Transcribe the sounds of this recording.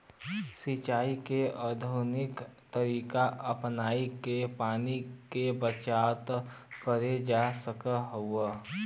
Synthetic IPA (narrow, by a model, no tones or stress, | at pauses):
sit͡ʃaːikeəd̪ʱunɪkt̪əɾiːkaʔəpnaːikepaːnikebət͡ʃaːt̪ | kəɾed͡ʒasəkəɦʊə